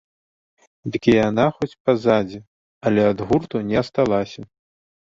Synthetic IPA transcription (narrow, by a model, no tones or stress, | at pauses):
d̪ɨkʲijanaxɔt͡sʲpɐzad͡zʲɛ | ɐlʲɛad̪ɣurt̪unʲɛst̪alˠasʲɐ